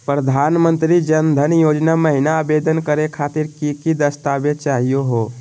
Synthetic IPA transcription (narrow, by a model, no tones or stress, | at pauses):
pɾəd̪ʱaːnmə̃nt̪ɾid͡ʒɐnd̪ʱənjoːd͡ʒnaməɦɪnaːbeːd̪ənkəɾekʰaːt̪ɪɾkikid̪əst̪aːbet͡ʃaːɦijoɦoː